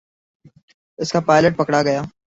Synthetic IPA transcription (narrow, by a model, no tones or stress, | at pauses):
ɪskaːpaːɪləʈ̚pɐkɽaɡɐjaː